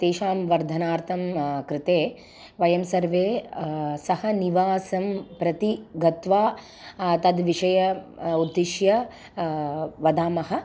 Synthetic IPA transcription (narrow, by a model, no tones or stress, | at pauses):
t̪eːʃaːmʋɐɾd̪ʱɐnaːɾt̪ʰɐmkɾɪt̪eː | ʋɐjɐmsɐɾʋeːsɐhɐniʋaːsɐmpɾɐt̪iɡɐt̪ʋaː | t̪ɐd̪ʋiʂɐjɐud̪ːiʃjɐ | ʋɐd̪aːmɐɦɐ̆